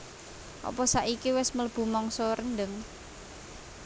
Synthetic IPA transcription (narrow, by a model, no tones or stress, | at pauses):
ʔɔ̰pɔsaʔikiwɪsmələb̥ṳmɔŋsɔɾənɖəŋ